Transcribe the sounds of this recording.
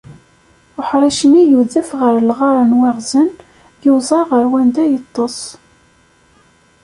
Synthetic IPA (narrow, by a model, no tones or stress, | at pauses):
ʊħɾˤiʃənijuðəfʁəɾlʁɑɾˤənwaʁzən | jəzˤɑʁəɾwænd̪æjət̪ˤːosˤ